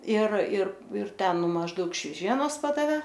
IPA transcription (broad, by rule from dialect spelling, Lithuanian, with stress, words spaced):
ɪr ɪr ɪr ˈtʲɛn ˈnʊ mɐʒˈdɐʊk ʃʲʋʲɛˈʒʲiɛnoːs ˈpɑːdɐʋʲeː